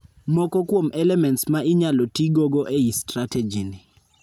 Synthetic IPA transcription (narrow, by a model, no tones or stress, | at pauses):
mɔkɔkwomɛlɛmɛntsmaʔiɲalɔtiɡoɡɔʔeistɾatɛd͡ʒinɪ